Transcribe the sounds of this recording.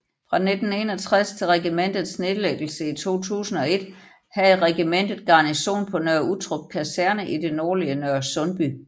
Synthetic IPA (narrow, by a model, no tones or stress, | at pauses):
fʁɑ̈ned̥n̩e̝ːnɒ̽t͡sʰʁast͡sʰe̝lʁɛɡ̥imen̰d̥ð̩ˠsne̝ðˠleɡ̥l̩səit͡sʰo̝̰ːt͡sʰṵːsn̩ɒ̽e̝d̥ | hæð̩ˠʁɛɡ̥imen̰d̥ð̩ˠɡ̥ɑ̈niɕo̝̰ːnpʰɒ̽nøɐut͡sʰʁɔɡ̥̚kʰæsæɐnəʔid̥e̝nɒːliənøɐ̰sɔ̽nb̥y